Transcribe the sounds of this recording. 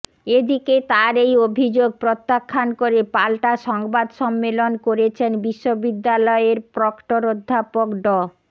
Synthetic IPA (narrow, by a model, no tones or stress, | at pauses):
ed̪iket̪aɾejobʱid͡ʑoɡ̚pɾot̪ːakʰːankoɾepalʈaʃɔŋbad̪ʃɔmːelonkoɾet͡ɕʰenbiʃːobid̪ːalɔeɾpɾɔkʈoɾod̪ʱːapokɖɔ